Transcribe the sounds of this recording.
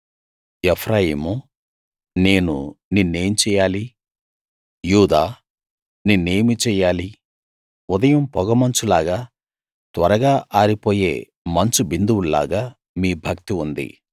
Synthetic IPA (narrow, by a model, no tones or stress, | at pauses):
epʰɾaːjiːmu | ne̞ːnṵninnːeːjɐmt͡ʃɛːjaːli | juːd̪aː | nineːjɐmit͡ʃɛːjaːli | ud̪ɐjɐmpɔɡɐmɐnt͡ʃulaːɡaː | t̪ʋɐɾɐɡaːʔaːɾipo̞ːjḛː | mɐnt͡ʃubind̪uwulla̰ːɡaː | miːbʱɐk̚t̪iund̪ḭ